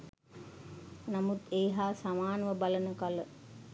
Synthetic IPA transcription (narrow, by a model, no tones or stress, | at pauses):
namut̪eːɦaːsamaːnəʋəbalənəkalə